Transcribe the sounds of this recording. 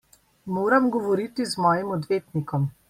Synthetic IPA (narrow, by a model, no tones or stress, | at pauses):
moːɾamɡɔʋɔɾit̪izmɔːjimɔd̪ʋeːt̪nikɔm